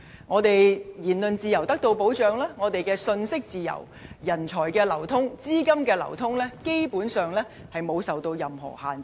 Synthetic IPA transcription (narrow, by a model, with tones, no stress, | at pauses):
ŋɔː˨˧t̪e˨jjiː˨˩nlɵ˨nt͡siː˨˧jɐ˨˩wt̪ɐ˥k̚t̪o˧wpo˨˥wt͡ʃœː˨ŋlaː˥ŋɔː˨˧t̪e˨jkɛː˧sɵ˧nsɪ˥k̚t͡siː˨jɐ̰˨˩w | jɐ˨˩nt͡ʃʰɔː˨˩jkɛː˧lɐ˨˩wt̪ʰʊ˥ŋt͡siː˥kɐ˥mkɛː˧lɐ̰˨˩wt̪ʰʊ˥ŋlɛː˥ke˥jpuː˨˥nsœː˨ŋlɛː˥hɐ˨jmo˨˧wsɐ˨wt̪o˧wjɐ˨mɦɔ̰ː˨˩haː˨n˨